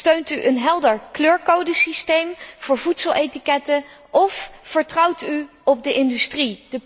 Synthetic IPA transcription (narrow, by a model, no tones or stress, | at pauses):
tøɥntyʔənɦɛlˠdəɹkløːɹkowdəsistejmv̥ʊːɹvutsəlˠʔetikɛtə | ʔɔffəɹtrʌwty | ɔb̚dəʔɪndystridə